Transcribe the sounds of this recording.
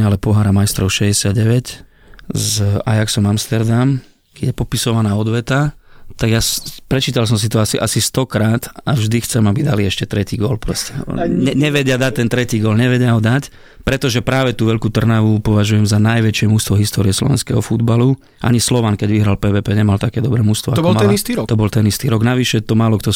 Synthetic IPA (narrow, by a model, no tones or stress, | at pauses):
alɛpɔɦaːɾamajst̪ɾɔʊʃɛɟɛsɪad̪̚ɟɛʋɛc | za̰jaksɔmamst̪ɛɾd̪am | kɛɟjɛpɔpisɔʋanaːɔd̪ʋɛt̪at̪aɡjaspɾɛt͡ʃiːt̪als̬ɔms̬it̪ɔasiʔasist̪ɔkɾaːt̪avʒd̪ixt͡sɛmabid̪aliɛʃcɛt̪ɾɛciːɡɔlpɾɔ̰scɛ̰ɲɛɲɛʋɛɟɪad̪ac̚t̪ɛnt̪ɾɛciːɡɔlɲɛʋɛɟɪaɦɔd̪ac | pɾɛt̪ɔʒɛpɾaːʋɛt̪uːʋɛʎkut̪r̩naʋupɔʋaʒujɛmzanajʋɛt͡ʃɪɛmust̪ʋɔɦist̪ɔːɾiɛslɔ̰ʋɛ̰nskɛ̰ɦɔfud̪balu | ʔa̰ɲislɔʋankɛɟʋiɦɾalpɛːʋɛːpɛːɲɛmalt̪akɛːd̪ɔbɾɛːmust̪ʋɔaɔbɔlmɛnist̪iːɾɔt̪ɔbɔlt̪ɛnist̪iːɾɔɡnaʋiʃɛt̪ɔmaːlɔkt̪ɔ